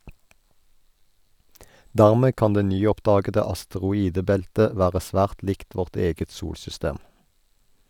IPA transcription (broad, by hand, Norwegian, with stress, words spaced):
ˈdæʁmeː ˈkɑn ˈdeː ˈnyːˌɔpdɑːɡədə ɑstəʁʊˈiːdəˌbɛltə ˈʋæːʁə ˈsʋæːʁt ˈlɪkt ˈʋɔʁt ˈeːɡət ˈsuːlsʏˌsteːm